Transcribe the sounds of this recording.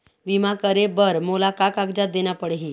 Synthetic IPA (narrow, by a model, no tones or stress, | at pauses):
bimakəɾebəɾmolakakaɡd͡ʑat̪̚d̪enjapəɽeɦi